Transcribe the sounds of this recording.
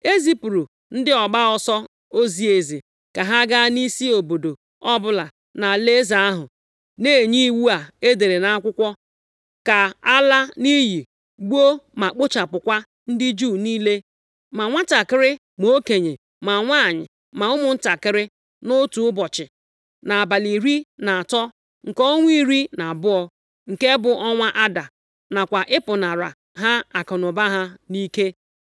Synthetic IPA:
e˦zi˦pɾu˨ | n̩˦dɪ˦ɔ˨ɡ͡ba˦ɔ˨sɔ˦ | o˦zi˦e˨zi˨ | ka˨ɦa˦ɡa˦ni˦si˦o˨bo˨do˨ | ɔ˦bʊ˦la˨ | na˨le˦za˨a˦ɦʊ˨ | neː˦˨ɲi˦wu˦a˨e˦de˨ɾe˨na˦a˦kʷʊ˦kʷɔ˦ | ka˨a˦la˦ni˦ji˨ | ɡ͡bu˦o˦ma˨k͡pʊ˦t͡ʃa˨pʊ˨kʷa˦ | n̩˦dɪ˦d͡ʒuː˦˨niː˦le˦ | ma˨ŋʷa˦ta˨kɪ˦ɾɪ˦ | m˨o˦ke˨ɲe˨ | ma˨ŋʷa˦˨ɲɪ̰˨ | ma˨ʊ˦mʊ˨n̩˦ta˨kɪ˦ɾɪ˦ | nʊ˦tu˨ʊ˦bɔ˨t͡ʃɪ˨ | na˨a˨ba˨li˨ɾi˦na˨a˨tɔ˦ | ŋ̩˨kɔ˦o˦ŋʷ˦i˦ɾi˦na˨bʊ˦ɔ˦ | ŋ̩˨ke˦bʊ˨ʔɔ˦ŋʷa˦ʔa˦da˨ | na˨kʷa˨ʔɪ˦pʊ˨na˨ɾa̰˨ | ɦa˦a˨kɔ˨nʊ˨ba˦ɦa˦ni˦ke˦

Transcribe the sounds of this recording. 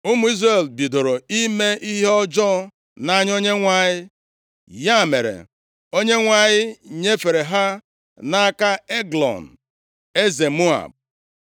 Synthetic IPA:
ʊ˦mu˨˦i˦zɾe˨lbi˨do˨ɾo˨i˦me˦ʔi˦ɦe˦ɔ˦d͡ʒɔ˦ | na˦ɲ˦o˦ɲe˦ŋʷa˨ɲɪ˦ | ja˦˨mḛ˨ɾḛ˨ | o˦ɲe˦ŋʷa˨ɲɪ˦ɲe˦fe˨ɾe˨ɦa˦ | na˦ka˦e˦ɡlɔ̰˨n̩˨ | e˦ze˨mu˦a̰˨b̚

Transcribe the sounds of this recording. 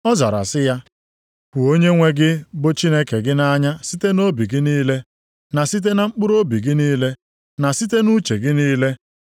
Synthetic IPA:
ɔ˦za̰˨ɾa̰˨sɪ˦ja˦ | kʊ˨o˦ɲe˦ŋʷe˦ɡɪ˦bʊ˦t͡ʃi˦ne˦ke˨ɡɪ˦na˦ɲa˦si˦te˦no˦bi˨ɡɪ˦niː˦le˦ | na˨si˦t̬e˦na˨ŋ͡m̩˦k͡pʊ˦ɾo˦bi˨ɡɪ˦niː˦le˦ | na˨si˦t̬e˦nu˦t͡ʃe˨ɡɪ˦niː˦le˦

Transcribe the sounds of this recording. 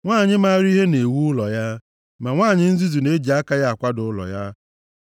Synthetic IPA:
ŋʷaː˦˨ɲɪ˦ma˦ɾi˦ɦe˦ne˨wu˦ʊ˦lɔ˨ja˦ | ma˨ŋʷaː˦˨ɲɪ˦n̩˦zi˦zi˨ne˦d͡ʒi˨a˦ka˦ja˦a˨kʷa˦dʊ˨ʊ˦lɔ̰˨ja˦

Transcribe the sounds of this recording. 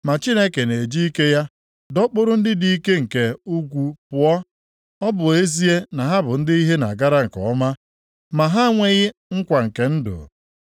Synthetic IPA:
ma˨t͡ʃi˦ne˦ke˨ne˨d͡ʒi˦i˦ke˦ja˦ | dɔ˦k͡pʊ˦ɾʊ˦n̩˦dɪ˦di˦i˦ke˦ŋ̩˨ke˨u˦ɡʷu˦pʊ˨ɔ˦ | ɔ˦bʊ˨e˦zi˦e˦na˨ɦa˦bʊ˨n̩˦dɪ˦i˦ɦe˦na̰˨ɡa˦ɾa˦ŋ̩˨kɔ̰˨ɔ˦ma˦ | ma˨ɦa˦ŋʷe˦ɣɪ˦ŋ̩˦kʷa˨ŋ̩˨ke˨n̩˦dʊ̰˨

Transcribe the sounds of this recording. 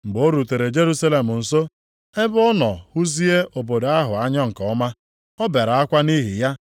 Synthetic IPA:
m̩˨ɡ͡bo˦ɾu˨te˨ɾe˨d͡ʒe˦ɾu˦sa˦le˨mʊ˨n̩˨so˦ | e˦bɔ˦nɔ˨hu˦zi˦e˦ʔo˨bo˨do˨a˦ɦʊ˨a˦ɲɔ˦ŋ̩˨kɔ˨˦ma˦ | ɔ˦be˨ɾa˨a˦kʷa˦ni˦ɦḭ˨ja˦

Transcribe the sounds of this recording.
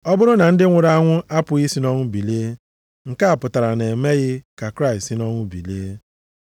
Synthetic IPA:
ɔ˦bʊ˦ɾʊ˦na˨n̩˦dɪ˦ŋʷʊ˨ɾa˦a˦ŋʷʊ˦ʔa˦pʊ˨i˦si˦nɔ˦ŋʷʊ˦bi˨leː˦ | ŋ̩˨ka˦a˨pʊ˨ta˨ɾa˨ne˨e˨me˦ɣɪ˦ka˨kɾa˦˨i˨sɪ˦nɔ˦ŋʷʊ˦bḭ˨leː˦

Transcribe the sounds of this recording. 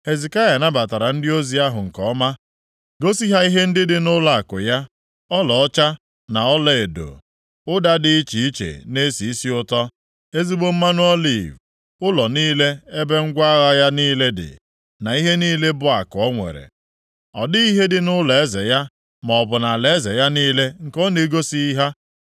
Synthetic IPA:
he˨zi˨ka˦ja˨na˦ba˨ta˨ɾa˨n̩˦dɪ˦o˦zi˨a˦ɦʊ˨ŋ̩˨kɔ˨˦ma˦ | ɡo˦si˦ɦa˦i˦ɦe˦n̩˦dɪ˦dɪ˦nʊ˦la˨a˨kʊ̰˨ja˦ | ɔ˦lɔ˨ɔ˦t͡ʃa˦ | na˨ɔ˦le˨e˨do̰˨ | ʊ˦da˦dɪ˦i˦t͡ʃi˨i˦t͡ʃḛ˨ne˦si˨i˦si˦ʊ˦tɔ˦ | e˦zi˦ɡ͡bo˦m̩˦ma˦nʊ˦ɔ˦lḭ˨v | ʊ˦lɔ˨niː˦le˦e˦be˦ŋ̩˦ɡʷa˦ɣa˦ja˦niː˦le˦dɪ̰˨ | na˨i˦ɦe˦niː˦le˦bʊ˦a˨kʊ˨ɔ˦ŋʷḛ˨ɾḛ˨ | ɔ̰˨dɪ˦i˦ɦe˦dɪ˦nʊ˦le˦ze˨ja˦ | mɔ˨ɔ˨bʊ˨na˨le˨e˦ze˨ja˦niː˦le˦ŋ̩˨kɔ˦ne˨˦ɡo˦si˦i˦ɦa˦

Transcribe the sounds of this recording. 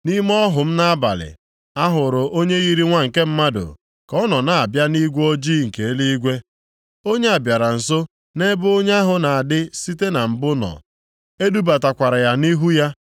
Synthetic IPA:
ni˦m˦ɔ˦ɦʊ˨m̩˦na˦a˦ba̰˨lɪ̰˨ | a˦ɦʊ˨ɾʊ˨ʔo˦ɲe˦ɣi˦ɾi˦ŋʷa˦ŋ̩˨ke˦m̩˦ma˦dʊ̰˨ | kɔ˦nɔ˨na˨a˨bja˦ni˦ɡʷo˦d͡ʒi˦ŋ̩˨ke˨e˦li˦i˦ɡʷe˦ | o˦ɲe˦a˨bja˨ɾa˨n̩˨so˦ | ne˦bʊ˦o˦ɲ˦a˦ɦʊ˨na˨a˨dɪ˦si˦te˦na˨m̩˨bʊ˦nɔ̰˨ | e˦du˦ba˨ta˨kʷa˨ɾa˨ja˦ni˦ɦu˦ja˦

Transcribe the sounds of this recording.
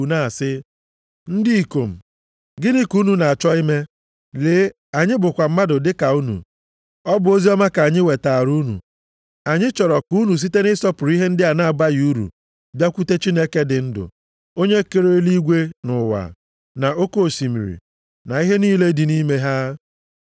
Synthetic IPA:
na˦˨sɪ˦ | n̩˦di˦i˨ko˨m̩˨ | ɡɪ˦nɪ˦ku˦nu˨na˨a˨t͡ʃɔ˦i˦me˦ | leː˨˦ | a˨ɲɪ˦bʊ˨kʷa˨m̩˦ma˦dʊ˨dɪ˦ka˨u˦nṵ˨ | ɔ˦bʊ˨o˦zi˦ɔ˦ma˦ka˨a˨ɲɪ˦we˨ta˨a˨ɾu˦nṵ˨ | a˨ɲɪ˦t͡ʃɔ˨ɾɔ˨ku˦nu˨s̬i˦te˦nɪ˦sɔ˦pʊ˨ɾi˦ɦe˦n̩˦dɪ˦a˨na˦˨a˨ba˦ju˦ɾṵ˨ | bja˦kʷu˦te˦t͡ʃi˦ne˦ke˦dɪ˨n̩˦dʊ̰˨ | o˦ɲe˦ke˦ɾe˦li˦ɡʷe˦nʊ˨wa̰˨ | na˨o˦ko˦o˨si˨mḭ˨ɾḭ˨ | na˨i˦ɦe˦niː˦le˦dɪ˨ni˦me˦ɦa˦

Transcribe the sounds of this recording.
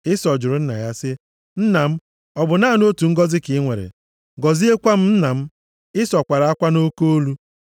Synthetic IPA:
ɪ˦sɔ˨d͡ʒʊ˨ɾʊ˨˦n̩˦na̰˨ja˦sɪ˦ | n̩˦na˨m̩˦ | ɔ˨bʊ˨na˦˨no˦tu˨ŋ̩˦ɡɔ˦zɪ˦kɪ˨˦ŋʷe˨ɾḛ˨ | ɡɔ˨zi˦e˦kʷa˦m̩˦n̩˦na˨m̩˦ | ɪ˦sɔ˨kʷa˨ɾa˨a˦kʷa˦no˦ko˦o˦lu˦

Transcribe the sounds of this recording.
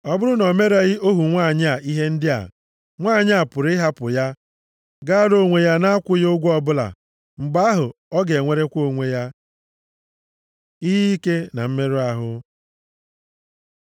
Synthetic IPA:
ɔ˦bʊ˦ɾʊ˦nɔ˨me˦ɾa˨ɣɪ˦o˦ɦu˨ŋʷa˦˨ɲ˦a˨i˦ɦe˦n̩˦dɪ˦a̰˨ | ŋʷaː˦˨ɲ˦a˨pʊ˨ɾɪ˦ɦa˦pʊ̰˨ja˦ | ɡa˦ɾo˦˨ŋʷe˨ja˦na˦a˦kʷʊ˦jo˦ɡʷɔ˦bʊ˦la̰˨ | ŋ͡m̩˨ɡ͡ba˦a˦ɦʊ˨ɔ˦ɡe˨ŋʷe˨ɾe˦kʷo˦˨ŋʷe˦ja˦ | i˦ɦi˦i˦ke˦na̰˨m̩˦me˦ɾu˦a˨ɦʊ˦

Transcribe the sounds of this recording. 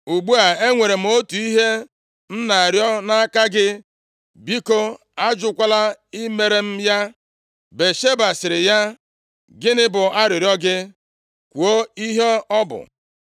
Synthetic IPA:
u˨ɡ͡bu˦a˨e˦ŋʷe˨ɾe˨m̩˨˦o˦tu˨i˦ɦe˦ | n̩˦na˨a˨ɾjɔ˦na˦ka˦ɡɪ˦ | bi˦ko˦ | a˦d͡ʒʊ˦kʷa˦la˦ɪ˦me˦ɾe˦m̩˦ja˦ | be˨ʃe˦ba˨sɪ˨ɾɪ˨ja˦ | ɡɪ˦nɪ˦bʊ˨a˦ɾɪ˨ɾjɔ˦ɡɪ˦ | kʷu˨o˦i˦ɦe˦ɔ˦bʊ̰˨

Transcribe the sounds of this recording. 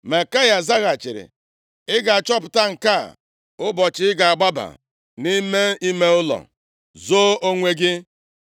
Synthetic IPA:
ma˨ka˦ja˨za˦ɣa˨t͡ʃɪ˨ɾɪ̰˨ | ɪ˦ɡa˨a˨t͡ʃɔ˦pʊ˨ta˦ŋ̩˨ka˦˨ | ʊ˦bɔ˨t͡ʃɪ˦ɪ˦ɡa˨a˨ɡ͡ba˦ba̰˨ | ni˦me˦i˦me˦ʊ˦lɔ̰˨ | zo˦o˦ŋʷe˦ɡɪ˦

